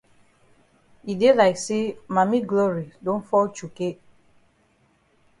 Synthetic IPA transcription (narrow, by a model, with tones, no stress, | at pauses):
i˨de˦la˨ɪkse˦ma˨mi˦ɡlɔ˦ɹi˨dõ˦nfɔ˦lt͡ʃu˨ke˦